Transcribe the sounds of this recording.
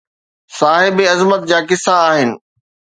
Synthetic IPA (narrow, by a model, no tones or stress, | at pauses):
saːɦɪbiɐzmət̪̚d͡ʑaːkɪsaːɦɪnɪ̆